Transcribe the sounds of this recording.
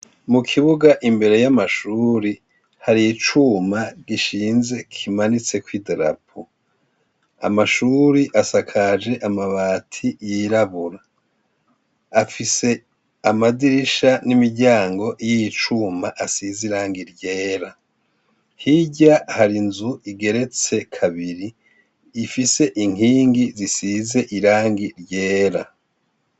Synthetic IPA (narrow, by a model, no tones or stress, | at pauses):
mukʰiβuɡaʔimbe̞ɾe̞jamaʃuːɾi | haɾijit͡ʃumaɡiʃiːnze̞kʰimanit͡se̞kwideɾa̰pʰu | a̰maʃuːɾiʔasakʰad͡ʒe̞ʔamaβaːtʰijiɾaβuɾa | afise̞ | amadiɾiʃanimiɾɟaːŋɡo̞ʔijit͡ʃumaʔasiziɾaːŋɡiɾɟe̞ːɾa | hiɟahaɾinzuʔiɡe̞ɾe̞t͡se̞kʰaβiɾiː | fise̞ʔiŋ̥iːŋɡizisize̞ʔiɾaːŋɡiɾɟe̞ːɾa